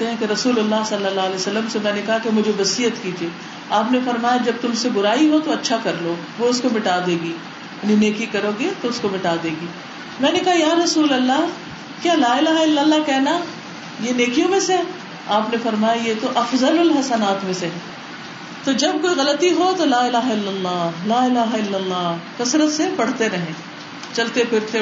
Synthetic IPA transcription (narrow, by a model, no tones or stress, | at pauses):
t̪eɦɛ̃keɾɐsuːlɐlːasɐlːəlːaːlɛsɐlːəmsemɛ̃ːnekɐɦakemʊd͡ʒʱebɐsiːət̪kiːd͡ʒieː | aːpnefɐɾmaːjad͡ʒɐb̚t̪ʊmseɡʊɾaːiɦot̪oɐtːʃʰakɐɾloːɡʋoʊskomɪʈaːd̪eːɡiː | janineːkikɐɾoːɡet̪oʊskomɪʈaːd̪eːɡiː | mɛ̃ːnekɐɦajaːɾɐsuːlɐlːa | kjaːlaːɪlaːɦaɪlːəlːakɛɦna | jeneːkijõmẽseɦɛ | aːpnefɐɾmaːjajet̪oʔɐfzɐlʊlɦɐsɐnaːt̪mẽseɦɛː | t̪od͡ʒɐb̚koːiɣɐlət̪iɦot̪olaːɪlaːɦaɪlːɐlːɑːɦlaːɪlaːɦaɪlːɐlːɑːkɐsɾət̪sepɐɽ̤t̪eɾɐɦẽː | t͡ʃɐlt̪epɪɾt̪e